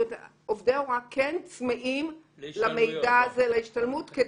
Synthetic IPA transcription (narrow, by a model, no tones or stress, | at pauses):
t | ovdeoʁakʰent͡smeʔim | lame̞jdaːzelaiʃtalmutke